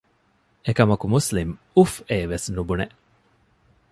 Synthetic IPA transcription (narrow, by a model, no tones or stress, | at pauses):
ekɐmɐkumuslim | ufeːʋesnubuneʔ